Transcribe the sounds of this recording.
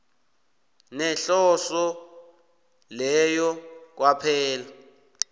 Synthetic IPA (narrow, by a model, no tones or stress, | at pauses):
nɛɬɔsɔ | lɛjɔk̬wapʰɛːla